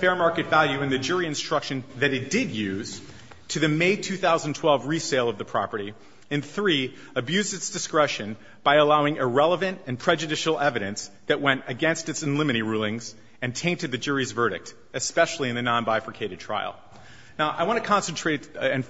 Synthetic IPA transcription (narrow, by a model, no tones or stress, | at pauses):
fɛɹmɑɹkɨtvælˠjʉɨ̃nðɨd͡ʒʊɹiɨ̃nstɹ̥ʌkʃɨ̃nðɨɾɨt̚d̥ɪdjʉz̥ | tʰɨðɨmeɪtʰʉθaʊzn̩tʰw̥ɛlˠvɹiseɪlˠʌvðɨpʰɹ̥ɑ̰pə˞ɾi | ɨ̃nθɹi | əbjʉzdɨtsd̥ɨskɹɛʃɨ̃n | b̥aɪəlaʊɪ̃ŋɨɹɛlˠəvɨ̃ntɨ̃npʰɹ̥ɛd͡ʒɨdɪʃl̩ˠɛvɨɾɨ̃nsðɨʔ̚wɛ̃ntɨɡɛ̃nstɨtsɨ̃nlɪ̃mɨɾiɹulˠɪ̃ŋz | ɨ̃ntʰẽɪ̃ntɨd̪̚ðɨd͡ʒʊɹizvɜ˞ɾɨ̰k̚t | ɨspɛʃl̩ˠiɨ̃nðɨnɑ̃nbaɪfəkʰeɪɾɨd̚tʰɹ̥a̰ɪl̩ˠ | naʊʔaɪwɑ̃ñtɨkʰɑ̃nsntʰɹ̥eɪɾɨ̃n